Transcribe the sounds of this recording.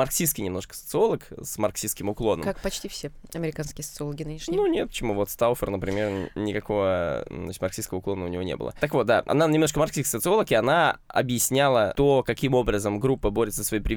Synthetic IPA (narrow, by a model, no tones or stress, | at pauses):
ɐrksʲiskʲɪnʲɪmnoʂkə̥sə̥t̪sɨo̞lˠəksmɐrksʲiskʲɪmʊklˠo̞nəak̚pɐt͡ɕtʲifsʲeɐmʲɪɾʲɪkanskʲɪjəsət̪sɨoləɡʲɪnɨnʲɪʂnʲjnunʲet̪̚pət͡ɕɪmuvo̞t̪st̪alˠfʲərnəpɾʲɪmʲernʲɪkɐko̞vət̪ʲmɐɾrksʲiskəvəʊklˠo̞nəʊnʲɪvo̞nʲebɨlˠə̰t̪əkvo̞t̪̚d̪a̰ʔɐ̰nanʲɪmnoʂkəmɐɾrksʲiskʲi̥sət̪sɨo̞lˠəkɪɐnaɐ̰bjɪsʲnʲalˠət̪okɐkʲimo̞bɾəzəmɡɾupːəboɾʲɪt̪səsvɐipɾʲɪ